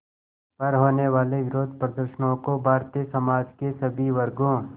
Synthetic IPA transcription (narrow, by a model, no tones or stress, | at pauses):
pɐɾɦoːneʋaːleʋɪɾoːd̪̚ʱpɾəd̪əɾʃənõkobʱaːɾt̪isɐmaːd͡ʒkesɐbʱiʋɐɾɡõː